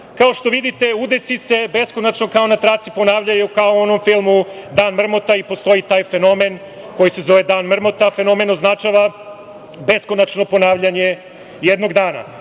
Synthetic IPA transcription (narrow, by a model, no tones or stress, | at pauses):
kaoʃt̪o̞ʋid̪it̪e̞ud̪esise̞be̞sko̞nat͡ʃno̞kao̞nat̪ɾat̪sipo̞naːʋʎajukaoono̞mfilˠmud̪aːnmr̩mo̞t̪aipo̞st̪o̞jit̪aːjfe̞no̞me̞n | ko̞jise̞zo̞ʋed̪aːnmr̩mo̞t̪afe̞no̞me̞no̞znat͡ʃaʋa | be̞skonat͡ʃno̞po̞naːʋʎaɲe̞ | jed̪no̞ɡd̪aːna̰